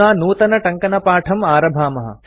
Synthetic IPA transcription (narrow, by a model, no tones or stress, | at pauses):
aːnuːt̪ɐnɐʈɐŋkɐnɐpaːʈʰɐmaːɾɐbʱaːmɐɦɐ̰